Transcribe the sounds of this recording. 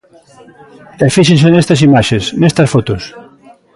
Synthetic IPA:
ɛfiʃẽnsenest̪ɐs̬imaʃesnest̪ɐsfot̪os

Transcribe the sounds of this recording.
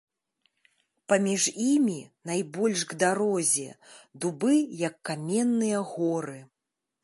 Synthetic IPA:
pɐmʲiʐimʲinajbɔlʲʂɡd̪aɾɔzʲɛ̰d̪ubɨjɐkːamʲɛnːɨjɐɣɔɾɨ

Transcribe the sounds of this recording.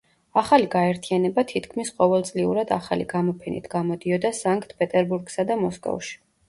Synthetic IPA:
aχaliɡaɛɾt̪ʰianɛbat̪ʰit̪ʰkʰmisqʼɔvɛlˠt̪sʼliṵɾad̪aχaliɡamɔpʰɛnḭt̪ʰɡ̥amɔd̪iɔd̪asaŋkʼt̪ʰpʼɛt̪ʼɛɾbuɾɡsad̪amɔskʼɔ̰fʃi̥

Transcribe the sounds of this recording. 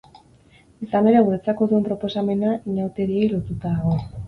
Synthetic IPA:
isane̞ɾewɾet͡sako̞ðue̞mpɾo̞po̞same̞naɲawt̪e̞ɾie̞jlo̞t̪ut̪aðɣo̞

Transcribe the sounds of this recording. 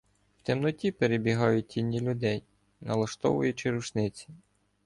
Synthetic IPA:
w̥t̪ʲemnɔtʲipeɾebʲiɦɑjʊt̚ʲtʲinʲːilʲʊd̪ɛj | nɐlˠɐʃt̪ɔ̰ʋʊ̰jʊt͡ʃɪɾuʃnɪt͡sʲi̥

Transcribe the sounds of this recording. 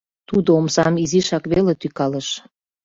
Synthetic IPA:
t̪ud̪oomsɑmiziʃɑkβelet̪ykɑləʃ

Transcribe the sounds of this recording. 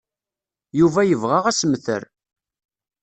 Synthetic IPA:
juvæjəvʁaʁæsmθə̰ɾ

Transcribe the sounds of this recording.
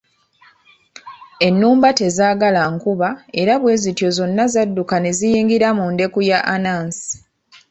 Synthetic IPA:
e̞nːuːmbate̞zaːɡalaŋkuβae̞ɾaβwe̞ːzitjo̞zo̞nːazadːukane̞zijiːŋɡiɾamunde̞kujaʔanaːnsi̥

